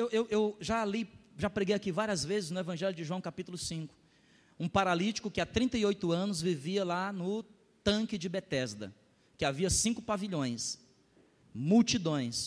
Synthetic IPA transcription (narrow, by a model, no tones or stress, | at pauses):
ewewʔewʒaliʒapɾeɡejakivaɾiɐzvezɪznʊevɐ̃ʒɛlʲʊd͡ʒɪʒuɐ̃w̃kapit̪ʊlʊsĩkʊ̥ | ũpaɾalit͡ʃɪ̥kʊkɪat̪ɾĩnt̪ɐiojt̪ʊɐ̃nʊzviviɐlanʊ | t̪ɐ̃kɪd͡ʒɪbet̪ɛzd̪ɐ̰ | kɪaviɐsĩŋkʊpaviʎõj̃s | muwt͡ʃid̪õj̃s